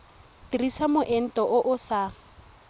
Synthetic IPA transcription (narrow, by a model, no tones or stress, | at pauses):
tirisamʊʔɛn̩tʼɔʔʊʔʊsa